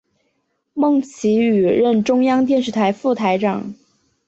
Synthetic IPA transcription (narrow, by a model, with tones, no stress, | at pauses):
mɤ˥˩ŋt͡ɕʰi˧˥y˨˩ɻə˥˩nʈ͡ʂʊ˥ŋjɑ˥ŋt̪jɛ˥˧nʂ̬ɻ̩˥˩t̪ʰa˧˥ɪfu˥˩t̪ʰa˧˥ɪʈ͡ʂɑ̰˨˩˦ŋ